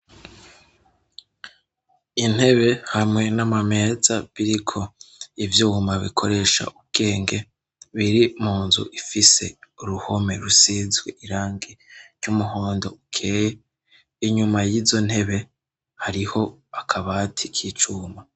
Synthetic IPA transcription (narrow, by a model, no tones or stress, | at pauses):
in̥he̞βe̞hamŋe̞namame̞ːzaβiɾikʰo̞ivjuːmaβḭkʰo̞ɾe̞ːʃa̰ʔub̚ɡ̥e̞ːŋɡe̞ | βiɾimuːnzṵʔifise̞̰uɾuho̞me̞ɾusiːzɡweʔiɾaːŋɡeɾjumuɦo̞ːndo̞̰ukʰe̞ːje | iɲumajiːzo̞n̥he̞βe̞ | haɾiho̞akʰaβaːtʰikʰit͡ʃuːma